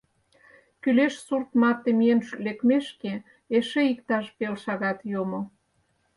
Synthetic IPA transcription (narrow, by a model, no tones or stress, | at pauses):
kyleʃsurt̪mɑt̪ːemijenlekmeʃke | eʃeikt̪ɑʃpelʃɑɣɑt̪jomo